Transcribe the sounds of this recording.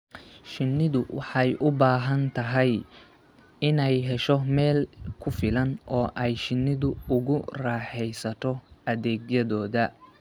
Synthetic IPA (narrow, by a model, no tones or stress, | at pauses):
ʃɪnːɪðʊwɑ̰ħɑjʔʊbaːɦɐnt̪ʰɐɦɛj | ɪnɛjɦɛʃɔmɛːlkʰʊfɪlɐnʔɔːʔɛjʃɪnːɪðʊʊɣʊrɑːħɛjsɐt̪ʰɔʔɐðɛːɡjɐðɔːðɐ